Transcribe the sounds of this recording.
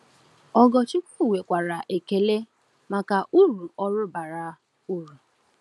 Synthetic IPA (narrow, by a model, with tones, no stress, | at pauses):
ɔ˦ɡɔ˨t͡ʃi˦kʷu˦˨we˨kʷa˨ɾa˨ʔe˨ke˨le˦ | ma˨ka˨ʔu˦ɾu˨ɔ˦ɾʊ˦ba˨ɾa˦ | u˦ɾu˨